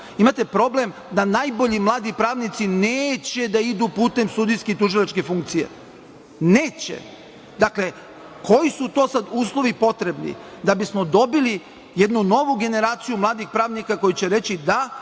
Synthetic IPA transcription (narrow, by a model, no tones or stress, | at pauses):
imat̪e̞pɾo̞ble̞m | d̪anaːjbo̞ʎimlˠaːd̪ipɾaːʋnit̪sineːt͡ɕe̞d̪aid̪upuːt̪e̞mst̪ud̪ijsket̪uʒilˠat͡ʃke̞fuŋk̚t̪sije̞̰ | ne̞ːt͡ɕḛ | d̪akle̞ | kʰo̞jisut̪o̞ːsad̪uːslˠo̞ʋipo̞t̪ɾe̞bnḭ | d̪abismo̞d̪o̞bili | jed̪nuno̞ʋuɡe̞ne̞ɾaːt̪sijumlˠaːd̪ixpɾaːʋnikako̞jut͡ɕeɾe̞t͡ɕid̪a